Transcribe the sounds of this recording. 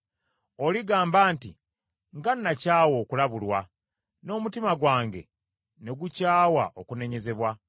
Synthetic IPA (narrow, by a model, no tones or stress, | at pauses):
oliɡaːmbaːntḭ | ŋɡanːacaːwo̞ːkulaβulwa | no̞ːmutimaɡwaːŋɡe̞̰ | ne̞ɡucaːwa̰ʔokune̞ɲe̞ze̞βwa